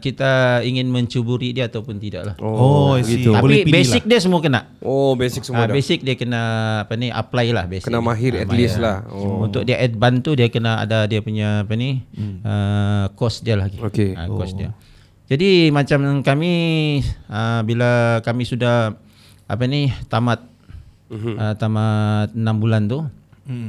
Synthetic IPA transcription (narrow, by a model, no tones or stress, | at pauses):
kit̪aiŋɪnməɲt͡ʃubuɾidiaːt̪awpʊnt̪ida̰ʔlahooɡit̪apibesɪk̚dias̬əmuakənaʔobesɪk̚səabesɪk̚diakənaːpania̰plajla̰hbeskənamaɦɪɾɛ̰t̪lislahunt̪ʊk̚diaʔɛt̪̚bant̪udiakənaa̰dadiapuɲaːpaniəkɔsdialahɡiokea̰kɔsdia̰ | d͡ʒadimat͡ʃamkami | əbilakamisudah | a̰panit̪amat̪̚ | ət̪amaənambulant̪u